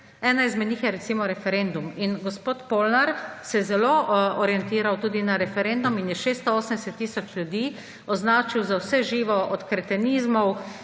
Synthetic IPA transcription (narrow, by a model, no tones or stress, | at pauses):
ɛːnaizmɛd̪nʲiːxjɛɾɛtsiːmɔɾɛfɛɾend̪uminɡɔspoːt̪poːlnaɾsɛjzɛloɔɾjɛnt̪iːɾawt̪uːd̪inaɾɛfɛɾend̪uminjɛʃeːst̪ɔoːsənd̪ɛsɛt̪ːiːsɔt͡ʃlʲjud̪iː | ɔznaːt͡ʃiwzawsɛʒiːʋɔʔɔt̪kɾɛt̪ɛniːzmɔw